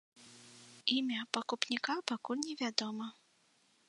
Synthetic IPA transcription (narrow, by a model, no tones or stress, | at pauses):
imʲapɐkupnʲikapakulʲnʲɛvʲad̪ɔmɐ